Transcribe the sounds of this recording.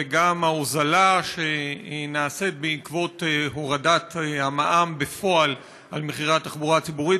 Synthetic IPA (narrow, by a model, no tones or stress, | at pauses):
eɡamaozalaʃeinaːset̪̚beikvo̞t̪ɦo̞ʁadat̪hamaʔambefo̞al | ʔalmeχiʁatːaχbuʁat͡sibuʁi